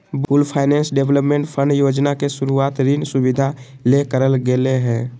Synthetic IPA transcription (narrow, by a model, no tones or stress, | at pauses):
bulpʰaːɪnɛ̃ːnsɖebləpmẽɳʈpʰə̃ɳɖjoːd͡ʒnakesʊɾuaːt̪ɾinsuʋid̪ʱa | lekəɾəlɡeleɦɛ̃ː